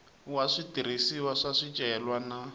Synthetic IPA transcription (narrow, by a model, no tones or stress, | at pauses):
waʂitiɾisiwaʂaʂit͡ʃʼɛɛlwana